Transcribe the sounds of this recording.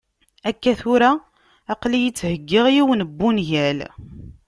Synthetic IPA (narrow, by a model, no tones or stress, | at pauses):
ækːæθʊɾæ | ɑqlijət͡sːhəɡːɪʁjiwənəbːunʝæl